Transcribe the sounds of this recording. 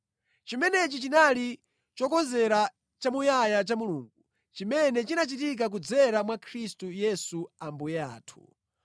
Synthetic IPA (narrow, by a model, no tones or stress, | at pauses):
t͡ʃimɛnɛt͡ʃit͡ʃinali | t͡ʃɔkɔnzɛɾa | t͡ʃamujajat͡ʃamuluːŋɡu | t͡ʃimɛnɛt͡ʃinat͡ʃitik̬ak̬ud͡zɛɾamwakʰɾistujɛsuambujɛa̰ːtʰu̥̰